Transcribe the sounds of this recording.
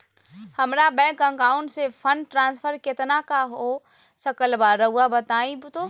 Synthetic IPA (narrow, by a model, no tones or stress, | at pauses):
həmɾabɛ̃ːkə̃ŋkaːʊɳʈsepʰəɳɖʈɾãːnspʰəɾket̪nakaɦo | səkəlbaɾəuabət̪aːibut̪o